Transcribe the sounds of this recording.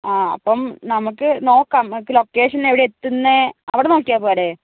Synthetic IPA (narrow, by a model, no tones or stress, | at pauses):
aːɐ̰pːɐmnɐmuk̬ːɨno̞ːkːɐmkːɨlo̞kːeːʂɐneʋiɽeet̪ːunːɨɐʋiɽeno̞ːkːijaːpoːɐɽe